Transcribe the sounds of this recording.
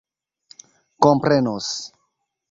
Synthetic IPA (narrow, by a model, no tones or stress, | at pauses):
kompɾenos